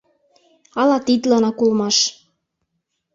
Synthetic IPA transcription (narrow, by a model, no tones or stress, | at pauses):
ɑlɑt̪it̪lɑnɑkulmɑʃ